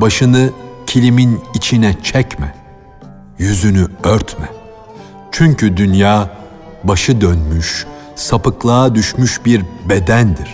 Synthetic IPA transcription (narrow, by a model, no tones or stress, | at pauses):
baʃɯnɯcʰilʲiminit͡ʃʰinɛt͡ʃʰɛcmɛ | jyzynyøɾt̪mɛ | t͡ʃʰyɲcʰyd̪ynjaː | baʃɯd̪ønmyʃ | sapɯklˠaːd̪yʃmyʃbiɾbe̞d̪ænd̪iɾ̥